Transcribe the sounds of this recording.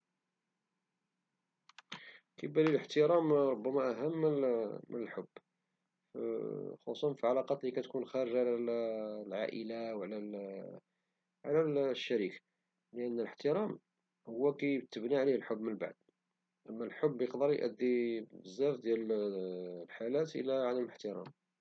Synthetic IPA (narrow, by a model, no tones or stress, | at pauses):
kæjbæliləħt̪əɾɑmɾˤobːæmæʔæɦəmːəmənəlħʊbː | xɑsˤɑnfiʕɑlɑqɑt̪likæt̪kunxæɾəʒʕlælʕaʔəlawʕlæ | ʕlælʃːæɾik | ləʔənːələħt̪əɾæm | hʊwːækæjt̪ːəbniʕlihəlħʊbːmənba̰ʕd̪̚ | ʔəmːælħobːjəqd̪ɑɾˤjʔə̰d̪ːibəzːæfd̪jæl | lħalæt̪ʔə̰lːæʕad̪əmləħt̪əɾɑ̰m